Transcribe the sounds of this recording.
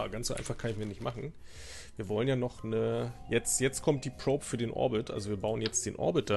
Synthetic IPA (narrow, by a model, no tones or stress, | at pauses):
ɡant͡sszoʔa̰ɪnfaχkʰanɪçmiːɐnɪçtmʔaχn̩ | viːɐvɔlənjaːnɔχnəjɛt͡stjɛt͡stkʰɔmt̚d̥iːpʁ̥oːpfyːɐdeːnʔɔ̰ɐbɪtʔa̰lzoviːɐbaʊənjɛt͡std̥eːnʔɔ̰ɐbɪt̚d̥a